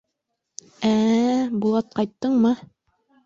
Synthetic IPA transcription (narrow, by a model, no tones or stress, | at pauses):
æbulˠɑt̪̚qɑjt̪ːɤɴmɤ